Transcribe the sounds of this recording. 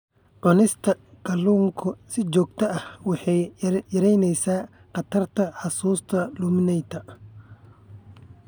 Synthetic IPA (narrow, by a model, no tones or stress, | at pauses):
ʕʊnɪst̪ʰɐ | kʰɐluːŋkʰʊsɪt͡ʃɔːɡ̚t̪ʰɐɐhwɑħɑjjɐɾɛjnɛjsaː | qɑt̪ʰɐrt̪ʰɐħɑsuːst̪ʰɐlumɪnɛjt̪ʰɐ